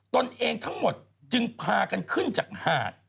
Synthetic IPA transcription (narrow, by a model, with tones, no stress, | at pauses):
t̪o˧nʔeː˧ŋt̪ʰa˦˥ŋmo˨˩t̪̚ | t͡ɕɯ˧ŋpʰaː˧ka˧nkʰɯ˥˩nt͡ɕaː˨˩k̚haː˧˩t̪̚